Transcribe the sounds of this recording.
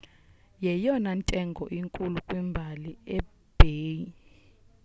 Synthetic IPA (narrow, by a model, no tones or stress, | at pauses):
jɛjɔnantʼɛŋɡʱɔʔiŋkʼulukʼwimbʱaliɛ | b̥ʱeːi